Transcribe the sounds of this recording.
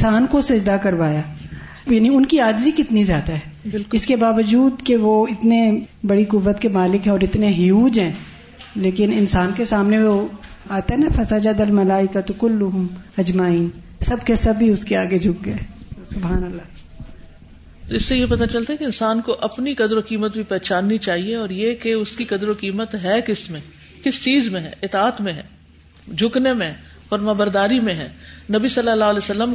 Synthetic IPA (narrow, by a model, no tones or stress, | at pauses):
ɪnsaːnkosɐd͡ʒd̪akɐɾʋaːjaː | jaːniʊnkiaːd͡ʒzikɪt̪nizjaːd̪aɦɛːbɪlɪskebaːʋəd͡ʒuːd̪keʋoɪt̪nebɐɽikʊʋːət̪kemaːlɪkɦɛ̃ɔːɾɪt̪neɦɪjuːd͡ʒɦɛ̃ː | leːkɪnɪnsaːnkesaːmneʋo | aːt̪aɦɛnafɐsad͡ʒad̪ɐlmɐlaːɪkat̪kʊlːʊɦʊmɐd͡ʒmaːiːn | sɐbkesɐbːiʊskeaːɡed͡ʒʱʊk̚ɡɐesʊbɦaːnəlːaː | t̪oɪsːejepɐt̪at͡ʃɐlt̪aɦɛkeɪnsaːnkoʔɐpnikɐd̪ɾokiːmət̪̚bʱipɛːt͡ʃaːnːit͡ʃaːɦieɔːɾjekeʊskikɐd̪ɾokiːmət̪ɦɛkɪsmẽ | kɪst͡ʃiːzmẽɦɛ̰̃ːɪt̪aːt̪mẽɦɛ̰̃ː | d͡ʒʱʊknemẽ | ɔːɾmabəɾd̪aːɾimẽɦɛ̰̃ːnɐbisɐlːəlːaːleːsɐlːəm